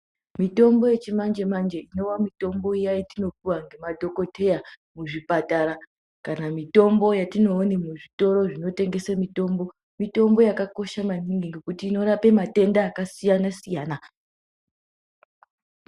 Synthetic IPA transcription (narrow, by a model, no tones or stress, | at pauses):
mito̞mbo̞je̞t͡ʃimand͡ʒe̞mand͡ʒe̞ino̞wamito̞mbo̞ijaitino̞puwaŋɡe̞madʱo̞ko̞tʰe̞ja | muʐipataɾa | kanamito̞mbo̞jatino̞ːnemuʐito̞ɾo̞ʐino̞te̞ŋɡe̞samito̞ːmbo̞ | mito̞mbo̞jakako̞ʃamaniŋɡiŋɡe̞kutiːno̞ɾape̞mate̞ndaːkasijanasijaːna